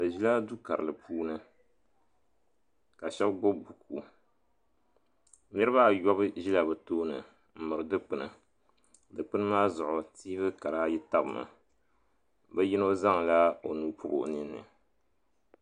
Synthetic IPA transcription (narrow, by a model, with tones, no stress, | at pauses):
ba˨ʒi˦la˦du˦ka˨ɾɨ˨lɨ˨pʰuː˦nɨ˨ | ka˨ʃɛ˦bɡo˦bu˨kʰu˨˦ | nɛ˦ɾɨ˦ba˦jɔ˦bɨ˦ʒi˦la˨bɨ˨toː˦nɨ̰˨ | m̩˦˨mɨ˨ɾɨ˨dɨ˦k͡pɨ˨nɨ̰˨ | dɨ˨k͡pɨ˦nɨ˦maː˦zʊ˨ʔʊ˨tiː˦βɨ˦ka˨ɾa˦ji˦ta˦bɨ˨ma̰˨ | bɛ˦ji˦no˦za˦ŋ˨la˦o˨nuː˨pʰʊ˦bo̰˨ʔnɨ˦nːɨ̰˨